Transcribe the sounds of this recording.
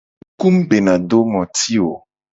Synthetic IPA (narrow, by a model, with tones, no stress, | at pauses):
ku˦mbe˨nã˨ɖo˦ŋɔ̃˨t̪i˦wo˨